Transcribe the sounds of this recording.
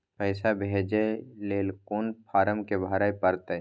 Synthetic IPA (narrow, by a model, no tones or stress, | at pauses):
pəɪsabʱeːd͡ʒeleːlkoːnpʰaːɾəmkebʱaːɾaːjpəɾt̪əː